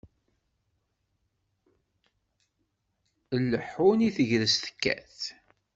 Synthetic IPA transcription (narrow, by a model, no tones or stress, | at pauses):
əlːəħuniθəʝðəst̪ə̥kːæ̰θ